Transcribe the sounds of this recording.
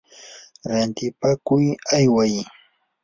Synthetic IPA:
ɾant̪ɪpakʊjajwaj

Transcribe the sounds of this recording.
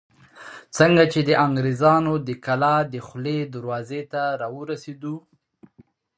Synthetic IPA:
t͡səŋɡat͡ʃed̪əʔaŋɡɾezɑnod̪əkalɑd̪əxled̪əɾwɑzet̪aɾɑwəɾased̪u

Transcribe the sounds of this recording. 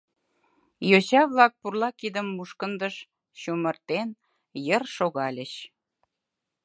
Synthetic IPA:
jot͡ɕɑβlɑk̚purlɑkid̪əmːuʃkənd̪əʃ | ɕumərt̪en | jərʃoɣɑlʲə̆ɕ

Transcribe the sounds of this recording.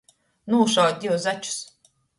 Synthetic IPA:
nuːʃawd̪̚ʲd̪ʲiwzat͡ʃu̥s

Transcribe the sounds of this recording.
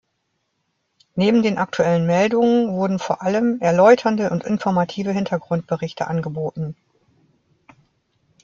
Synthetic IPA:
neːbm̩deːnʔak̚tʰuɛlənmɛldʊŋənvʊɐdn̩foːɐʔaləmɛɐlɔʏtʰɐndəʔʊntʔɪ̰nfɔɐmatʰiːvəɦɪntʰɐɡʁʊnt̚b̥əʁɪçtʰəʔanɡəboːtn̩

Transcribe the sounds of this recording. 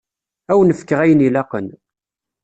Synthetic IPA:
æwnəfkːəʁæjənilɑqən

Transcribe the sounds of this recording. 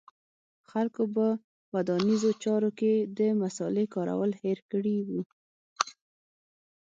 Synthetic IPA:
xalkobə | wad̪ɑnizot͡ʃɑɾoked̪əmasɑlekɑɾa̰wəlheɾkəɽiwu

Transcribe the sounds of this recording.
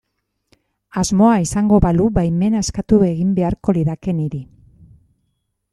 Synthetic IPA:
azmo̞aisaŋɡo̞βaluβajme̞naeskat̪ue̞ɣimbe̞aɾko̞liðake̞niɾi

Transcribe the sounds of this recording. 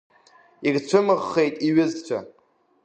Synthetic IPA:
iɡt͡ɕʷʰɨmɨʁːe̞jtʼiɥɪzt͡ɕʷʰa̰

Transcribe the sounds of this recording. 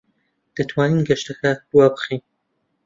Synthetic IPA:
d̪̥ɐt̪ʰwaːninɡɐʃt̪ɐkab̥uwabɨχin

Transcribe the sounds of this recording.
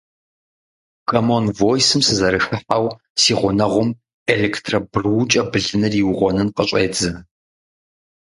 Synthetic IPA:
kʰɐmonvojsɨmsɨzɐɾɨxɨħaw | siːʁʷʊnɐʁʷʊm | elektʰrɐbrwt͡ʃʼɐbɨɮɨnɨriwʊʁʷɔnɨnqəɕʷʼeːd͡zɐ

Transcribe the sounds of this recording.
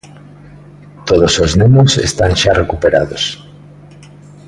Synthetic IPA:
t̪oðosoznemosḛst̪aŋʃarʔekupeɾa̰ðos

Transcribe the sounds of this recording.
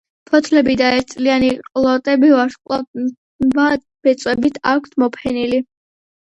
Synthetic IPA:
pʰɔt̪ʰlɛbid̪aɛɾt̪sʼlianiqʼlˠɔt̪ʼɛbivaɾʃqʼˠɔ | va | b̥ɛt̪sʼwɛbit̪ʰakʷʰt̪ʰmɔpʰɛnili

